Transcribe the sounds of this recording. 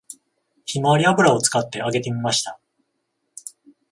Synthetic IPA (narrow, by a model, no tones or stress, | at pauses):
çimaɾʲiabɯ̟ɾao̞t͡sɨ̥kat̪ːe̞ʔaɡe̞t̪e̞mʲimaɕi̥t̪a